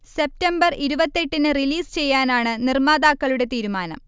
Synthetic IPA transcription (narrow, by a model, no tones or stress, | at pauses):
se̞p̚tɐmbɐriɾubɐt̪ːe̞ʈːinɨriliːst͡ɕe̞jːaːnaːɳɨnirmaːd̪aːkːɐɭuɽe̞t̪iːɾumaːnɐ̰m